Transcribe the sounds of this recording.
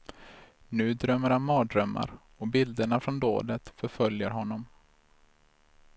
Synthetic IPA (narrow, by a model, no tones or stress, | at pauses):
nʉ̟ːd̪ɾœmːəɾhanmɑːd̪ɾœmːa̰ɾ | ɔbɪld̪əɳafɾɔnd̪o̰ːd̪ət̪fœɾfœljəɾɦɔnːɔm